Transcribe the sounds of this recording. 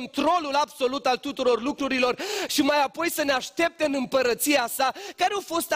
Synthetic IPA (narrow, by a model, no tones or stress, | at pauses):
nt̪ɾo̞lulabso̞lut̪alt̪ut̪uɾo̞rlukɾuɾilo̞rʃimajapo̞jsəneaʃt̪e̞p̚t̪eɨnɨmpəɾət̪siasakaɾeafo̞st̪